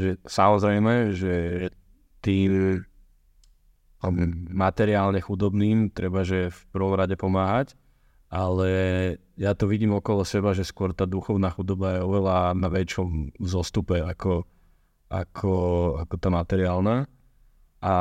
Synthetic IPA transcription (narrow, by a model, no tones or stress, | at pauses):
ʒɛsamɔzɾɛjmɛʒɛɛ | t̪iːm | mːat̪ɛɾɪaːlɲɛxud̪ɔbniːmt̪ɾɛbaʒɛfpərɾ̩ʋɔmɾaɟɛpɔmaːɦac | ʔalɛ | jat̪ɔʋiɟiːmɔkɔlɔsɛbaʒɛskʊɔɾt̪aːd̪uxɔʊnaːxud̪ɔbajɛɔʋɛlanaʋɛt͡ʃɔmzɔst̪upɛakɔ | ʔa̰kʰɔakɔt̪aːmat̪ɛɾɪaːlnaː | a